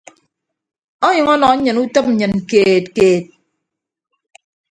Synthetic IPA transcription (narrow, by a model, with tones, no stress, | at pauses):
ɔ˦ɲɨ˨ŋɔ˦nɔ˨˦ɲɨ˨nu˦tɨ˦mn̩˦ɲɨ˨nkeː˨tkeː˨t̚